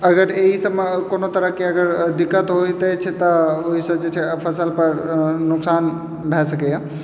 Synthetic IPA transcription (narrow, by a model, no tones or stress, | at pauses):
ɐɡəɾeɦisɐmkonot̪ɐɾəkeɐɡəɾd̪ɪkːət̪ɦoit̪et͡ʃʰet̪ɐoɦisɐ̃d͡ʒet͡ʃʰepʰɐsəlpɐɾnʊksaːn | bʱɛsɐkea